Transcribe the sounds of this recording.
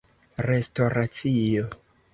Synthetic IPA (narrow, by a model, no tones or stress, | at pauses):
ɾe̞sto̞ɾat͡sijo